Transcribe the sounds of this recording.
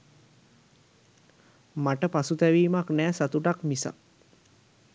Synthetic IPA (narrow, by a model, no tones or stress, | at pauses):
maʈəpasut̪ɛʋiːmaknɛːsat̪uʈakmisa̰